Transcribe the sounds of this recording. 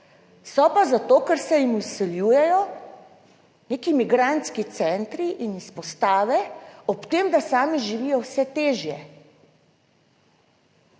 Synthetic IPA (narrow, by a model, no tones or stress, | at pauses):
sɔpazat̪oːkɛɾsɛjimusɛljuːjɛjɔ | neːkimiɡɾant̪skit̪sɛnt̪ɾiʔinispɔst̪aːʋɛɔpt̪eːmd̪asaːmiʒiʋijɔwsɛt̪eːʒjɛ